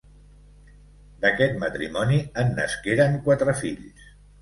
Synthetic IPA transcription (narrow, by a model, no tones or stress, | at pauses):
d̪əkɛt̪mət̪ɾḭmɔniənːə̰skeɾəŋkwat̪ɾəfiʎs